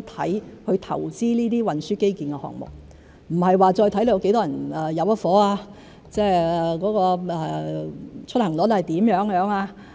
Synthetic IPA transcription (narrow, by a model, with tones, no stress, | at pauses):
t̪ʰɐ˨˥jhɵ˧ɥt̪ʰɐ̰˨˩wt͡siː˥niː˥t̪iː˥wɐ˨nsyː˥ke˥jkiː˨nkɛ˧hɔ̰ː˨ŋ̚mʊ̰˨˩k̚ | m̩˨˩hɐ˨jwaː˨˧t͡sɔː˧jt̪ʰɐ˨˥jle˨˧jwke˨˥jt̪ɔː˥jɐ˨˩nɛ˨˩jɐ˨˧wɐ˥fɔː˨˥aː˧ | t͡sɛː˥˩ɛ˨˩kɔː˨˥kɔː˧ɛ˨˩˨ | t͡ʃʰɵ˥t̚hɐ˨˩ŋlɔː˨˧˥t̪ht̪iː˨˥mjœː˨˥ŋjœː˨˧˥ŋaː˧